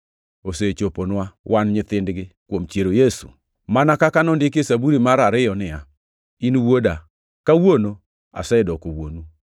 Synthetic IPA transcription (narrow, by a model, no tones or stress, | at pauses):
oset͡ʃoponwawʔanɲɪt̪ɪndɡɪkwomt͡ʃjeɾojesṵ | manakakanɔndɪkesabuɾimaɾaɾɪjɔnɪja | inwoda | kawono | a̰sɛdɔkowonu